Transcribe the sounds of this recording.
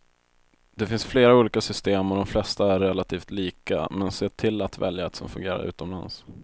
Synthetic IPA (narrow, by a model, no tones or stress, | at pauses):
d̪̥ɛfɪnsfleːɾauːliːkasʏst̪eːmɔd̪ɔmflɛst̪aæɾːɛlːat̪ʰiːft̪liːka̰mɛnseːʈʰɪlːat̪vɛ̰ljaɛt̪sɔmfɵ̰ŋɡeːɾa̰ɾʉ̟̰ːt̪ɔmla̰ns